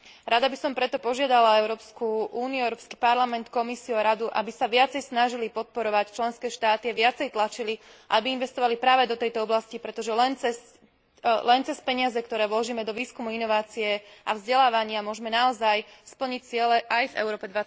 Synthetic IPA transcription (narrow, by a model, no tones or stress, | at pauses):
ɾad̪abisɔmpɾɛt̪ɔpɔʒɪad̪alaɛʊɾɔːpskuuːniuɛʊɾɔːpskipaɾlamɛnt̪kɔmisiuaɾad̪uʔa̰bisaʋɪat͡sɛjsnaʒilipɔt̪̚pɔɾɔʋact͡ʃlɛnskɛːʃt̪aːt̪iaʋɪat͡sɛjt̪lat͡ʃiliʔabiinʋɛst̪ɔʋalipɾaːʋɛd̪ɔt̪ɛjt̪ɔɔblascipɾɛt̪ɔʒɛlɛnt͡sɛs | lɛnt͡sɛspɛɲɪazɛkt̪ɔɾɛːʋlɔʒiːmɛd̪ɔʋiːskumuinɔʋaːt͡siɛʔa̰vzɟɛlaːʋaɲɪamʊɔʒmɛnaɔzajspl̩ɲic̚t͡sɪɛlɛʔajvɛ̰ʊɾɔːpɛd̪ʋa